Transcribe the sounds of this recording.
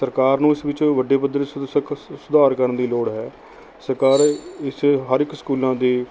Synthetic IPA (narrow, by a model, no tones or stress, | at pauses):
səɾkaːɾnũːɪsʋɪt͡ʃʋəɖeːpəd̪əɾsksʊd̪aːɾkəɾənd̪iːloːɽɦɛː | səɾkaːɾɪsɦəɾɪkskuːlãːd̪iː